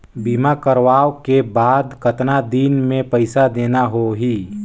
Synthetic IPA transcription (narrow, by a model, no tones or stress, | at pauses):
biːmakəɾʋaːwkebaːd̪kət̪nad̪iːnmẽpəɪsad̪eːnaɦoɦiː